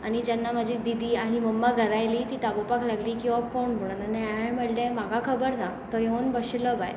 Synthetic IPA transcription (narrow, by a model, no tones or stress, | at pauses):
aɽ̃id͡ʑanːaməd͡ʑʱid̪id̪ʱiːaɽ̃iməmːaɡʱəɾajliːt̪iːt̪abopaklaɡliːkiɔp̚koɳm̤oɽ̃at̪anːaam̤əɽlẽm̤aɡakʰəbəɾna | t̪ɔɦeənbəɕiləba̰j